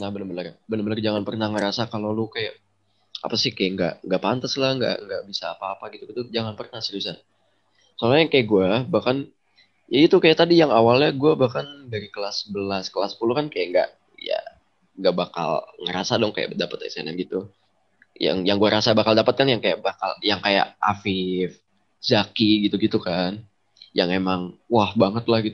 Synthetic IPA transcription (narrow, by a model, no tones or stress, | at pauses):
nahbənəbənərbənəbənərd͡ʒaŋanpərnahŋəɾasakalolukajaʔ | a̰pasɪhkajaŋɡa̰ʔŋɡaʔpant̪aslahŋɡa̰ʔŋɡaʔbisaːpaːpaɡit̪uɡit̪ud͡ʒaŋanpərnahsilisa | soalaɲakajaɡuabahkan | jaɡit̪ukajaʔt̪adijaŋawalɲaɡuabahkandaɾikəlasəbəlaskəlasə̥pulukankajaʔŋɡa̰ʔ | ja̰ | ŋɡaʔbaka̰lŋəɾasadɔŋkaja̰ʔdapət̪a̰sḛna̰mɡit̪u | ja̰ŋjaŋɡuaɾasabakaldapət̪̚kanjaŋkajaʔbaka̰ljaŋkaja̰ʔafɪf | zakiɡit̪uɡit̪ukan | jaŋemaŋwahbaŋət̪lahɡit̪u